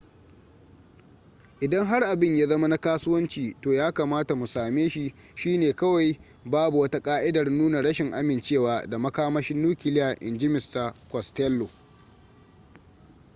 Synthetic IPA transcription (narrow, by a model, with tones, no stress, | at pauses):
ʔɪ˨dɐ˦ŋɦa˦rʔa˨bɪ˦ɲja˦zɐ˦ma˦na˦kaː˦sʊ˦wɐ˦nt͡ʃiː˨toː˨jaː˦kaː˨maː˦ta˨mu˨saː˨meː˦ʃi˨ | ʃiː˦neː˨kɐ˦wa˨j | baː˦bu˨wɐ˦ta˦kʼaː˦ʔɪ˦dɐ˨rnuː˦na˨ɽɐ˦ʃɪ˨ŋʔa˦mɪ˨nt͡ʃeː˦˨waː˨da˨mɐ˦kaː˦mɐ˦ʃɪ˦nːuː˦kʲɪ˨lɪ˦jaː˨ʔɪ̰˨nd͡ʒɪ˦mɪ˨sta˨kʷɔ˨stɛ˦lːo˨